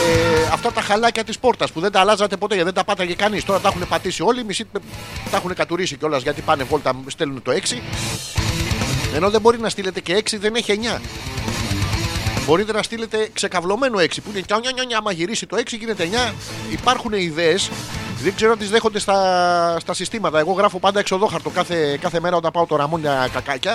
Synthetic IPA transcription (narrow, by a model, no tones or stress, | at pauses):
eɐft̪ɐt̪ɐxɐlɐcɐt̪ispo̞ɾt̪ɐspuðend̪ɐlɐzɐt̪e̞po̞t̪e̞ʝɐðed̪ɐpɐt̪ɐʝekɐnist̪o̞ɾɐt̪ɐxune̞pɐt̪isio̞limisit̪ɐxune̞kɐt̪uɾisiceo̞lɐzʝɐt̪ipɐnevo̞lt̪ɐst̪elunt̪o̞e̞ksi | e̞no̞ðe̞bo̞ɾinɐst̪ile̞t̪e̞ce̞eksiðe̞ne̞çieɲɐ | bo̞ɾit̪e̞nɐst̪ile̞t̪e̞kse̞kɐvlo̞me̞noe̞ksipuinecɐoɲɐɲɐɲɐmɐʝiɾisit̪o̞e̞ksiʝine̞t̪eɲɐ | ipɐɾxune̞iðeːsðeɡzeɾonɐt̪izðe̞xond̪e̞st̪ɐst̪ɐsist̪imɐt̪ɐe̞ɣo̞ɣɾɐfo̞pɐnd̪ɐeksio̞ðo̞xɐɾt̪o̞kɐθe̞kɐθe̞me̞ɾɐot̪ɐpɐot̪o̞ɾɐmo̞nɲɐkɐkɐcɐ